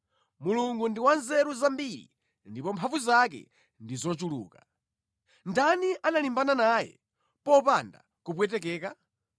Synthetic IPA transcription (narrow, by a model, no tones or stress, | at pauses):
muluŋɡundiwanzɛɾuzambiɾḭ | ndipɔmpʰavuzakɛ̰ | ndizɔt͡ʃulṵːka | ndaniʔanalimbananaːjɛ̰ | pɔpanda̰ | kup̬wɛt̬ɛkɛːka